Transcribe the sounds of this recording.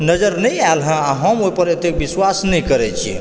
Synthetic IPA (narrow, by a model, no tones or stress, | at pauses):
nəd͡ʒəɾnəjaelɦə̃aɦəmoipəɾet̪ekbiswasnɛjkəɾɛt͡ʃʰḭ